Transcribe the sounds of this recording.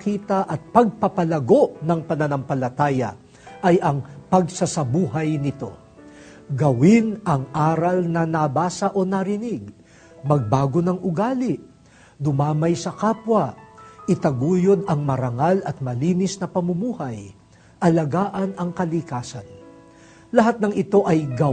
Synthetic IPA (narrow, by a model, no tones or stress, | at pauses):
kiːt̪ɐʔɐt̪̚pɐɡ̚pɐpɐlɐɡo̞ʔnɐŋpɐnɐnɐmpɐlɐt̪aːjɐ̰ | ʔɐjɐŋpɐɡ̚sasɐbuːɦajnɪt̪o̞̰ | ɡɐwɪnɐŋʔaːɾɐlnɐnɐbaːsɐʔo̞nɐɾɪnɪɡ | mɐɡ̚baːɡo̞nɐŋʊɡaːlɪʔ | d̪ʊmaːmɐjsɐkaːpwɐʔɪt̪ɐɡuːjod̪ɐŋmɐɾɐŋalɐt̪̚mɐliːnɪsnɐpɐmʊmuːhɐj | ʔɐlɐɡaːʔɐnɐŋkɐlɪkaːsɐn | lɐɦat̪̚nɐŋɪt̪o̞ʔɐjɡɐ